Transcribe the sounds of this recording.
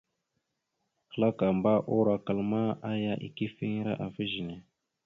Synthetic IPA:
xə˨la˦ka˨mba˦ʔo˦ɾa˨ka˨lma˦a˦ja˦ʔḭ˨ki˦fi˦ŋ˦ɾa̰˦ʔa˨fi˦ʒi˨ne˨

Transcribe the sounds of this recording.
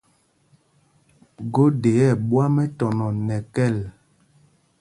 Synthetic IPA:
ɡo˦de˨ɛ˦˨ɓwa˦mɛ˦tɔ˨nɔ˨nɛ˨kɛ˦˨l

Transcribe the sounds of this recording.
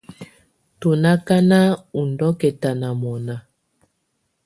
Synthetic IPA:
to˨na˦ka˦na˦u˨n̩˨dɔ˦kɛ˨ta˨na˨mɔ˨na˨

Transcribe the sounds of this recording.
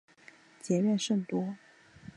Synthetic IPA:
t͡ɕjɛ˧˥ɥɛ˥˧nʂɤ˥˩ŋt̪wɔ˥

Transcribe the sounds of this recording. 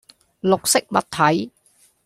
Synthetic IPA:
lʊ˨k̚sɪ˥k̚mɐ̰˨t̪̚ʰɐ˨˥j

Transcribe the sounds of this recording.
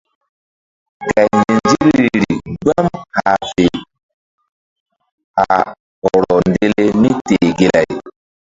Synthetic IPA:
ka˨jnd͡ʒi˦lɾḭ˨ɡ͡ba˦mha˨fe˨ | a˨ | hɔ˨ɾɔ˨nde˦le˦mi˦te˨ɡe˦˨la˨j

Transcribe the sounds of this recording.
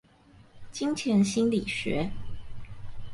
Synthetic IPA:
t͡ɕi˥ŋt͡ɕʰjɛ˧˥nɕi˥nli˨˩ɕɥɛ̰˧˥˦

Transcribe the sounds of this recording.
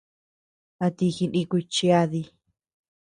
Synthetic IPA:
a˧t̪i˧xi˧nĩ˧kʷi˧t͡ʃi˧a˧ði˧

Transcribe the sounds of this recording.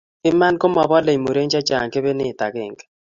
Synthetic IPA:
kɪ˦ma˦nko˦mɔ˨bɔ˦le˨i˨mo˨ɾe˦ɲt͡ʃa˦t͡ʃa̰˨ŋke˦βe˦nɪ˦˨ta˨ɣɪ̰˨ŋɡ

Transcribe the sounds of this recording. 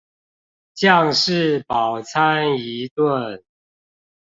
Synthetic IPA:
t͡ɕjɑ˥˨ŋʂɻ̩˥˨pɑ˨˩ʊt͡sʰa˦ni˨˦t̪wə˥˨n

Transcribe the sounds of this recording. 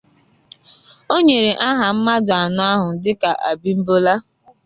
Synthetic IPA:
o˦ɲe˨ɾe˨ʔa˦ɦa˨m̩˦ma˦dʊ˨a˨nʊ˦a˦ɦʊ˨n̩˨dɪ˦ka˨ʔa̰˨bi˦m̩˦bo˦la˦

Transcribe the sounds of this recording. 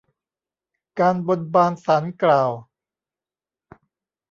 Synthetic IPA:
kaː˧nbo˧n̚baː˧nsaː˩˦nklaː˨˩w

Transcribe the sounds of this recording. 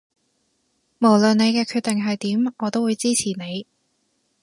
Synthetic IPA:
mo˨˩wlɵ˨nne˨˧jkɛː˧kʰyː˧t̚t̪ɪ˨ŋɦɐ˨jt̪iː˨˥mɔː˨˧t̪o˥wuː˨˧jt͡siː˥t͡sʰiː˨˩ne˨˧j

